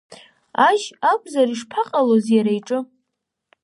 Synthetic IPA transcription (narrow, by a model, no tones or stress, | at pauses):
aʒakʷʰʼzariʂpʰaqʼalozjaɾajʈ͡ʂʼɨ